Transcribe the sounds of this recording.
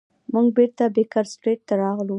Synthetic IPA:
muŋɡbeɾt̪abekɑɾsʈɾeʈ̚t̪aɾɑɣlu

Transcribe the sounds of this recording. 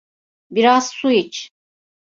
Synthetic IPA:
biɾaz̥suit͡ʃ

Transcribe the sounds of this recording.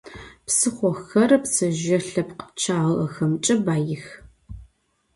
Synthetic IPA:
psɨχʷɔxɐrpsɨʒɐɬɐpqt͡ʃʰaːʁɐxɐmt͡ʃʼɐbaːjɪx

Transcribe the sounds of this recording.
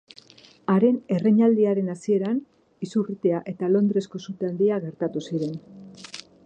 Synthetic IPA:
aɾe̞ne̞reɲald̪iaɾe̞nasie̞ɾan | isurit̪e̞aʔe̞t̪alo̞nd̪ɾe̞sko̞sut̪end̪iaɣe̞ɾt̪at̪usiɾe̞n

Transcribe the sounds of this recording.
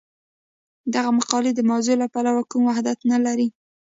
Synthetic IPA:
d̪aɣamaqɑled̪əmawzolapalawakumwahd̪at̪nalaɾi

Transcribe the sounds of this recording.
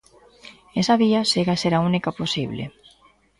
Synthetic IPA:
esaβiaseɣaseɾaunikaposiβlḛ

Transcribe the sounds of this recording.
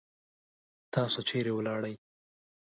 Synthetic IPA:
t̪ɑsot͡ʃeɾewlɑɽəj

